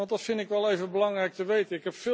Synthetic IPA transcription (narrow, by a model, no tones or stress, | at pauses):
ɑntdɑtfɪndɪkʋɛlˠejvənbəlɑŋrɛjk̚təʋejtəɪkɦɛpfɪ